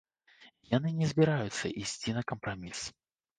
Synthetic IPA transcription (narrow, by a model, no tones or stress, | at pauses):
janɨnʲɛzʲbʲiɾajʊt̪sːɐ̰ʔisʲt͡sʲinɐkɐmpɾamʲis